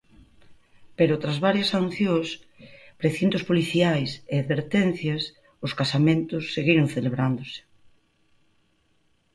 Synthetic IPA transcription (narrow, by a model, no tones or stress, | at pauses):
peɾʊt̪ɾazβaɾjɐsan̟θjõs | pɾeθint̪ʊspoliθiajseaðβeɾt̪en̟θjɐs | ʊskasamẽnt̪ʊsːeɣiɾoŋθeleβɾand̪osɪ̥